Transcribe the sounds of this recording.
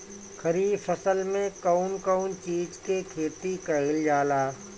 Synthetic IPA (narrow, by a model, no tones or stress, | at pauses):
kʰəɾiːfəsəlmẽkaʊnkəʊnt͡ʃiːd͡ʒkekʰeːt̪ikɐɪld͡ʒaːlaː